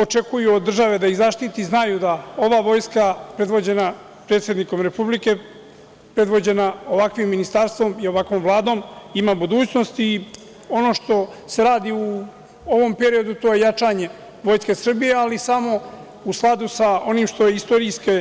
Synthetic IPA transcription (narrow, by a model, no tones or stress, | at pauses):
o̞t͡ʃe̞kujuod̪ːr̩ʒaʋe̞d̪aiɣzaʃt̪it̪iznajud̪ao̞ʋaːʋo̞ːjskapɾe̞d̪ʋo̞d͡ʑe̞na | pɾet̪sje̞d̪niko̞mɾe̞publike̞ | pɾe̞d̪ʋo̞d͡ʑe̞nao̞ʋakʋimːinist̪aɾst̪ʋo̞mio̞ʋakʋo̞ːmvlˠaːd̪o̞ːmimabud̪uːt͡ɕno̞st̪i | o̞no̞ʃt̪o̞ | se̞ɾaːd̪iu | o̞ʋo̞mpe̞ɾio̞d̪ut̪o̞ːje̞jat͡ʃaɲe̞ | ʋo̞ːjske̞sr̩bije̞alisamo̞ | usklˠad̪usao̞nimʃt̪o̞jeist̪o̞ɾiske